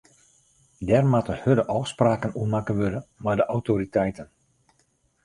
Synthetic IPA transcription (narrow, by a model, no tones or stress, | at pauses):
dɛrmatəhødəʔɔfspraːkənuəmakəʋødəmajdəʔawtoɾitɛjtən